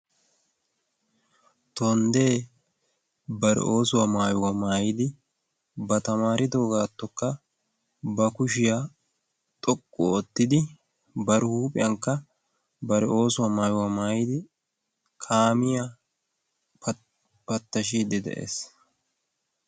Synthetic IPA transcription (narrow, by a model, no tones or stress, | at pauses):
t̪ɔnd̪e̞ː | bɐɾɛ̰ʔo̞ːsʊwamaːjʊwɐmaːjɪd̪ɪ | bɐt̪ɐmaːɾɪt̪oːɡaːt̪ːɔkːɐ | bɐkʊʃɪja | t̪ʼɔkʼːɔɔt̪ːɪd̪ɪ | bɐɾɪhuːpʼɪjɐŋkːɐ | bɐɾɛʔo̞ːsʊwɐmaːjʊwamaːjɪd̪ɪ | kʰaːmɪja | pɐt̪ːɐʃiːd̪ɪd̪ɛ̰ʔḛːs